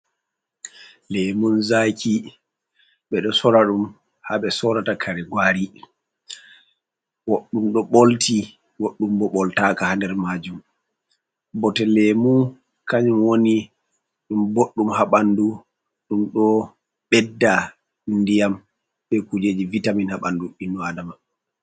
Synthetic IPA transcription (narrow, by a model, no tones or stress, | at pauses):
lemunzakʰi | ɓɛɗɔsɔɾaɗum | haɓɛsɔɾatakʰaɾɛɡwaːɾi | woɗːumɗɔɓolti | woɗːumbɔɓɔltakahandɛɾmad͡ʒum | bɔtɛlɛmu | kaɲumwoni | ɗumboɗːumhaɓandu | ɗumɗɔ | ɓɛdːa | ndijam | ɓɛkud͡ʒed͡ʒivitaminhaɓanduinːɔadama